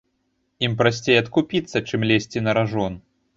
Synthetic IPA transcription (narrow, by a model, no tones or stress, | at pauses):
impɾasʲt͡sʲejɐt̪kupʲit̪sːɐt͡ʂɨmlʲesʲt͡sʲinɐɾaʐɔn